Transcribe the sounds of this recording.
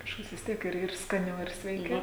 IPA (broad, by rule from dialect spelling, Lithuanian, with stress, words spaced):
kɐʃˈkɐs ʋʲɪs ˈtʲiɛk ɪr ɪr skɐˈnʲɛʊ ɪr sʲʋʲɛɪˈkʲɛʊ